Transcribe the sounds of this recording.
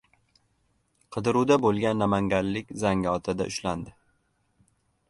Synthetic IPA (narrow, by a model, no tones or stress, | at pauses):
qʰɨd̪ɪɾud̪abolˠɡʲanːamaŋɡʲanlɪkʲzaŋɡɒt̪ʰɪd̪a̰ʔʊʃland̪ɪ